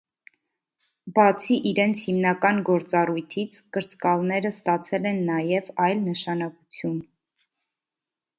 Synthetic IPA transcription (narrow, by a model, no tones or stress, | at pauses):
bɑt͡sʰiʔiɾɛnt͡sʰhimnɑkɑnɡɔɾt͡sɑrujt̪ʰit͡sʰkəɾt͡skɑlnɛɾəst̪ɑt͡sʰɛlɛnːɑjɛvɑjlnəʃɑnɑkut͡sʰjun